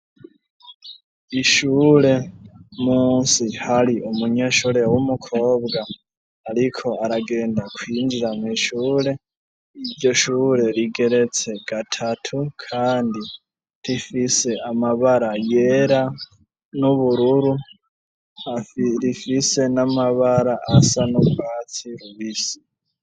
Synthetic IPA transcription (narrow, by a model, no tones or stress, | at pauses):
iʃuːɾe̞muːnsihaɾiumuɲe̞ʃuɾewumukʰo̞ːbɡaː | ɾikʰo̞aɾaɡe̞ːndakwiːnd͡ʒiɾamwiːʃuːɾe̞ | iɾɟo̞ʃuːɾe̞ɾiɡe̞ɾe̞t͡se̞ɡ̥atʰatʰukʰaːndi | ɾifise̞amaβaɾajeːɾa | nuβuɾuɾu | aɾifise̞namaβaɾaʔasanubwaːt͡siɾuβisi̥